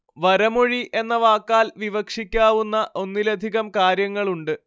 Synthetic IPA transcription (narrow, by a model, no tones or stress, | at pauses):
ʋɐɾɐmoɻiʔe̞nːɐʋaːkːaːlʋiʋɐkʂikʲːaːʋunːɐʔo̞nːilɐd̪ʱiɣɐmkaːɾjɐŋːɐɭuɳɖɨ